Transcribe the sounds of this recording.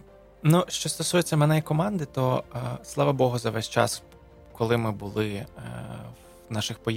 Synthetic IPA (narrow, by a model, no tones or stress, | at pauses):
nuʃt͡ʃɔst̪ɔsujet͡sʲːɐmɛnɛikɔmɑnd̪ɪt̪ɔslˠɑʋɐbɔɦʊzɐʋɛsʲt͡ʃɑ̰s | kɔlˠɪmɪbʊlˠɪ | nɑʃɪxpɔj